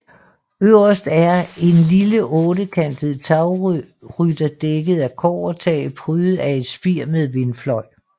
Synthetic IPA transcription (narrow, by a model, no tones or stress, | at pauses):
øʊ̰ɐsd̥æɐe̝nliləʔɔ̽ːɾəkʰænd̥əð̩ˠt͡sʰɑ̈ʊ | ʁyd̥ɐd̥eɡ̥əð̞̩ˠækʰɒːɐt͡sʰɛ̰ːɪpʰʁyːð̩ˠæe̝d̥sb̥iɐ̰meðˠʋe̝nflɒ̽ɪ̰